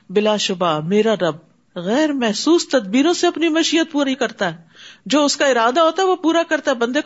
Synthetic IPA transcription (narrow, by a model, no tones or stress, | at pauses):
bɪlaːʃʊbaːmeːɾaɾɐb̚ | ɣɛːɾmɛɦsuːst̪ɐd̪̚biːɾõseɐpnimɐʃiːət̪̚puːɾaikɐɾt̪aɦɛːd͡ʒoːʊskaɪɾaːd̪aɦoːt̪aɦɛʋopuːɾakɐɾt̪aɦɛbɐ̃nd̪ek